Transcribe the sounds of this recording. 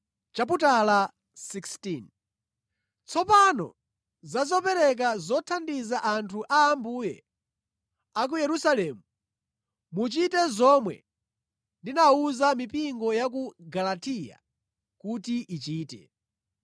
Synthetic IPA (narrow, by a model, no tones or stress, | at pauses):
t͡ʃap̬utala | sikstin | t͡sʰɔpanɔ̰ | zazɔpɛɾɛk̬azɔtʰandizaʔantʰuʔaːmbujɛ̰ | ak̬ujɛɾusalɛːmu | mut͡ʃitɛzɔmwɛ̰ | ndinauzamipiŋɡɔjak̬uɡalatija̰ | kutiʔit͡ʃiːtɛ̰